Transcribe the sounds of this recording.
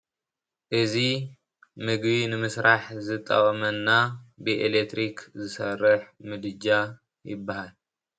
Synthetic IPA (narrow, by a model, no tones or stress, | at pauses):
ʔɨzi | mɨɡbinɨmɨsɾaħzɨt̪ʼːɐ̰wʼɐmɐnːabɨʔelekt̪ɾikʰzɨsɐrːɨħmɨd̪ɨd͡ʒa | jɪ̰bːahal